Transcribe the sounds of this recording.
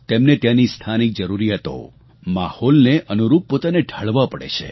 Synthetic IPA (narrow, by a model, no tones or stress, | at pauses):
t̪emnet̪janist̪ʰanik̚d͡ʒəɾuɾiɦət̪o̰ | mahɔlneʔənuɾup̚ːot̪aneɖʱaɭʋapəɽḛt͡ʃʰḛ